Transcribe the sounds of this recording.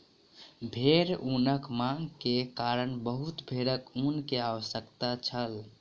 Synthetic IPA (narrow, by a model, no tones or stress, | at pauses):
bʱeɾunəkmãŋɡkekaɾəɳbəɦut̪bʱeɾəkunkeaʋəsjəkt̪at͡ʃʰəl